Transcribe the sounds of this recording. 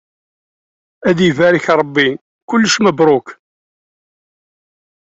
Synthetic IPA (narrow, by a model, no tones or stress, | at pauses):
æðivæɾiçɾˤəbːi | kʊlːəʃməbɾˤok